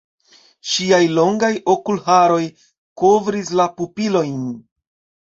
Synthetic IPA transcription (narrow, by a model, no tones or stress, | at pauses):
ʃiajlo̞ŋɡajo̞kulɦaɾo̞j | ko̞vɾis̬lapupilo̞jn